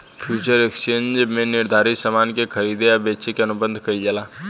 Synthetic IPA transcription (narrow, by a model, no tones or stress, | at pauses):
pʰjuːt͡ʃəɾekst͡ʃẽːnd͡ʒmẽnɪɾd̪ʱaːɾisəmaːnkekʰɐɾiːd̪eɐbeːt͡ʃekeɐnʊbə̃nd̪ʱkɐid͡ʒɐlaː